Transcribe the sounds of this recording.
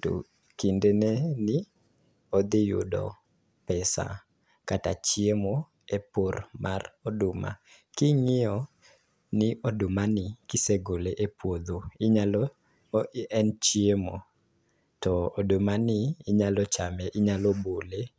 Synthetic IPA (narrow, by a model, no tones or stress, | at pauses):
to̰ | kindenenɪ | od̪ɪjʊ̰dɔ̰ | pɛsa̰ | katat͡ʃiemo | epormʔa̰rɔdʊma̰ | kɪŋɪɔ | nɪʔodʊmanɪkɪseɡoleʔepwod̪oɪɲalɔ | ɛnt͡ʃiemo̰ | tɔodʊmanɪːɲalɔt͡ʃamɛʔɪɲalobole